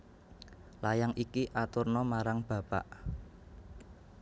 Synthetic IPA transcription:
lajaŋʔikiʔat̪ʊrnɔmaɾaŋb̥ä̤pa̰ʔ

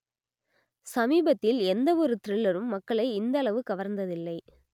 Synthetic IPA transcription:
sɐmiːbɐt̪ːɪlɛnd̪ɐɔɾɯt̪ɪɾɪɭːɐɾɯmːɐkːɐɭɐɪɪnd̪ɐɭɐʋɯkɐʋɐɾnd̪ɐðɪlːɐɪ

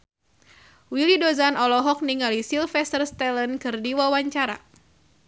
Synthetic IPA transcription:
wilidozanɔlɔɦɔk̚niŋalisilfɛst̪ərst̪ɛlənkɨrdiwawaɲt͡ʃaɾa̰

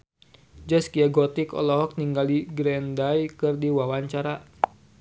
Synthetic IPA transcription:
d͡ʒəskiaɡɔt̪ikɔ̰lɔɦɔk̚niŋɡaliɡɾɛndajkɨrdiwawaɲt͡ʃaɾa

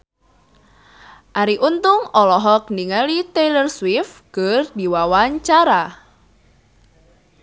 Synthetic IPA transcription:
ʔaɾiʔunt̪ʊŋɔlɔɦɔk̚niŋalit̪elərswifkərdiwawaɲt͡ʃaɾa

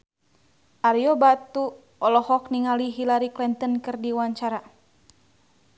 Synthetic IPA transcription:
ʔaɾjɔbat̪u | ɔlɔhɔkniŋaliɦilaɾiklɛnt̪ənkɨrdiwaɲt͡ʃaɾa

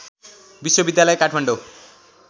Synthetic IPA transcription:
biswobid̪jalʌekaʈʰmaɳɖo

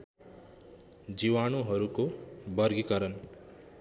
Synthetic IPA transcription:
d͡ziwanoɦʌɾukobʌrɡikʌɾʌn

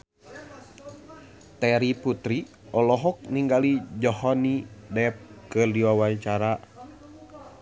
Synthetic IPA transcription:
t̪ɛɾiput̪ɾi | ɔlɔɦɔk̚niŋɡalid͡ʒɔhɔnidɛp̚kɨrdiwawaɲt͡ʃaɾa

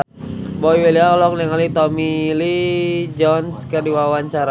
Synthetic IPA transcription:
boiwelialɔklɛŋalit̪ɔmilid͡ʒɔnskərdiwawaɲt͡ʃaɾa

